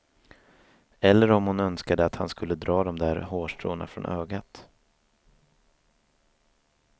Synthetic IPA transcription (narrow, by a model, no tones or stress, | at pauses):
ɛlːəɾɔmhʊnœnskad̪əat̪hanskɵlːəd̪ɾɑːd̪ɔmd̪æːɾhoːʂʈɾo̰ːna̰fɾɔ̰nʔøːɡat̪